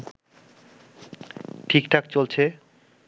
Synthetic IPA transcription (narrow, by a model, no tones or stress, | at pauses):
ʈʰikʈʰak̚t͡ɕolt͡ɕʰe